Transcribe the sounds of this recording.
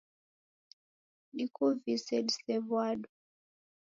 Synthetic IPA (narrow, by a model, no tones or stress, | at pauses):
ɗikuvisɛdsɛvwaɗu